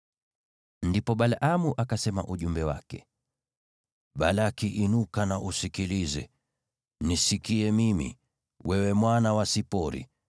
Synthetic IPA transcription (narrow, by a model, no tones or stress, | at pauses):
ndipɔɓalʔamuʔakasɛma̰ʔuʄumbɛwa̰kɛ | ɓalakiʔinukanaʔusikilizɛ | nisikiɛmimḭ | wʔɛwɛmwanawasipɔɾḭ